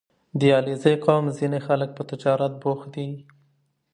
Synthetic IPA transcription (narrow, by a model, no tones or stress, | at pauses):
d̪əjɑlezəjqɑmzinexalək̚pət̪ɪd͡ʒɑɾat̪̚boxd̪i